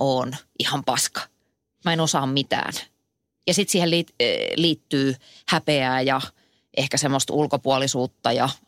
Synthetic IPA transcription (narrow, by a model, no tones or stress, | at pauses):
oːnʔihɑmpɑskɑ̥ | mæenosɑːmmit̪æ̰ːn | jɑsit̪siːhelitliːt̪ːyː | hæpeæːjɑ | ʔehkæsemːost̪ulkopuɑlisuːt̪ːɑjɑ